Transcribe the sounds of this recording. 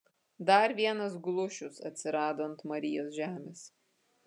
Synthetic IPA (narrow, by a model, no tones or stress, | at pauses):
d̪ɐɾʋʲiɛnɐs̬ɡlˠʊʃʲʊsɐ̰t̪ʲsʲɪɾɑːd̪oːnt̪mɐɾʲɪjoːsʒʲæːmʲeːs